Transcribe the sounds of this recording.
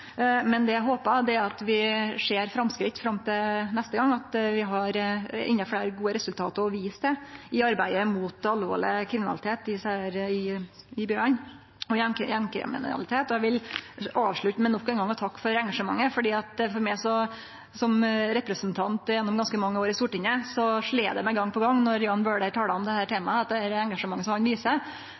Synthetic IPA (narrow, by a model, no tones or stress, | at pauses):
mɛnd̪ɛjæɪɦoːpəd̪ɛæɾɑt̪ʋɪʂeːɾfɾɑmskɾɪt̪ːfɾɑmt̪ʰɪlnɛst̪əɡɑŋːɑt̪ʋɪɦɑɾɪ̰nːəfɽæɪɾɡuːəɾɛsʉlt̪ʰɑːt̪əɾɔʋiːsd̪ɛɪɑɾbæɪəmut̪ɑlːʋo̰ːɭɪ̰kʰɾɪmɪnɑlɪt̪ʰeːt̪ɪsæɪɾɪɪbjøːɭɑn | ɔjɛkjɛmkɾɪ̰mɪ̰n̰ɑ̰lɪt̪ʰeːt̪ɔæʋɪlɑːʋʂɭʉt̪ːəmɛnɔkːɛːnɡɑŋːɔt̪ʰɑkːfɔɾɛŋɡɑʂəmɑ̰ŋːəfɔɖiːɑt̪fɔɾmæɪsɔ | sɔmɾɛpɾəsnt̪ʰɑnt̪jɛnːɔmɡɑnskəmɑŋːəoːɾɪst̪uːʈɪŋəsɔʂɭeːd̪ɛmɛɪɡɑŋːpʰɔɡɑŋːnɔɾjʊɑnbøːɖæʈʰɑːləɔmd̪ɛhæːʈʰeːmɑɑt̪̚d̪ɛæɾɛŋɡɑʂəmɑŋːəsɔmhɑnʋiːsə